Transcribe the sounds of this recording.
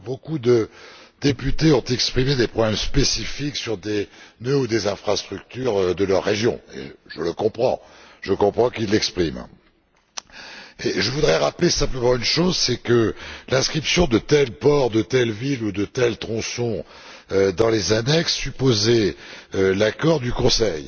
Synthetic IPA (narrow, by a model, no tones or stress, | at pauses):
bokud̪əd̪epyt̪eɔ̃t̪ɛkspχimed̪epχɔblɛmspesifiksyʁd̪enøud̪ezɛ̃fχast̪χyk̚t̪yʁd̪əlœʁːeʒjɔ̰̃ḛʒələkɔ̃pχɑ̰̃ʒ̥əkɔ̃pχɑ̃kilːɛkspχim | eʒəvud̪ʁɛʁaplesɛ̃pləmɑ̃ynʃozsɛkəlɛ̃skχipsjɔ̃d̪ət̪ɛlpɔʁd̪ət̪ɛlvilud̪ət̪ɛlt̪χɔ̃sɔ̃ | ød̪ɑ̃lezanɛksːypozɛølakɔʁd̪ykɔ̃sɛj